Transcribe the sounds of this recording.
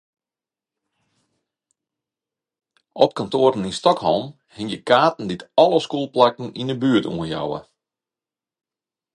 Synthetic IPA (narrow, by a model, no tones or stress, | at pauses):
ʔɔp̚kantoːɾən̩instɔkhɔ̰lˠm | hɪŋjəkaːtn̩ditɔlˠəskuːlˠplakn̩inəbyətṵənja̰wə̰